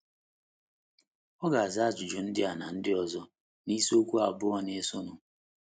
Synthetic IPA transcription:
ɔ˦ɡa˨a˨za˦˨d͡ʒʊ˨d͡ʒʊ˨n̩˦dɪ˦a˨na˨n̩˦dɪ˦ɔ˨zɔ˦ | ni˦so˦kʷu˦a˨bʊ˦ɔ˦ne˦so˦nʊ˨

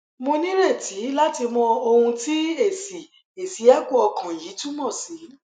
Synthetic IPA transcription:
mõ˧nĩ˦ɾe˦˨ti˨˦la˦ti˧mɔ̃˧o˧hũ˧ti˦e˦˨si˨ | e˨si˨˦ɛ˦ku˦ɔ˧kʰã˨ji˨˦tũ˦mɔ̃˦˨si˨˦

